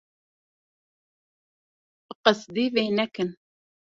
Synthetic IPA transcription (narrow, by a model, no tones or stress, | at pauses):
qəsd̪ivenækən